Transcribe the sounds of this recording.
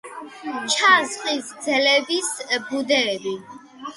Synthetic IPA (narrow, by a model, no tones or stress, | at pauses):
t͡ʃʰazχisɡd̪zɛlɛbisbud̪ɛːbi